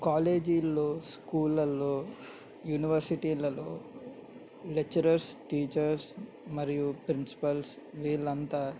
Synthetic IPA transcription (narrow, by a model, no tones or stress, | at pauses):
kaːleːd͡ʒilːo̞ːskuːlɐlo̞ː | juːniʋɐɾsiʈiːlɐlo̞ː | lek̚t͡ʃːɐɾɐɾsʈiːt͡ʃɐɾs | mɐɾijupɾinsi̥pɐls | ʋiːlːɐnt̪aː